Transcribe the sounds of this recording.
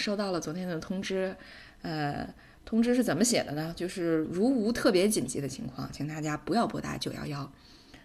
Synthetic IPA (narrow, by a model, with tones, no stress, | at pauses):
ʂo˥˧ʊt̪ɑ˥˩ʊlə˩t͡swɔ˧˥t̪ʰjɛ˥nd̪ə˨t̪ʰʊ˥ŋʈ͡ʂɻ̩˥ | ə˧ | t̪ʰʊ˥ŋʈ͡ʂɻ̩˥ʂɻ̩˥˩t͡sə˨˩nmə˦ɕjɛ̰˨˩d̪ə˦nə˧t͡ɕjo˥˧ʊʂɻ̩˥˩ɻu˧˥u˧˥t̪ʰɤ˥˩pjɛ˧˥t͡ɕi˨˩nt͡ɕi˧˥d̪ə˧t͡ɕʰḭ˧˥ŋkʰwɑ̰˥˩ŋt͡ɕʰi˧˥ŋt̪a˥˩t͡ɕja˥pu˧˥jɑ˥˩ʊpwɔ˧˥t̪a̰˥˩t͡ɕjo˥˩ʊjɑ̰˥˧ʊjɑ˥ʊ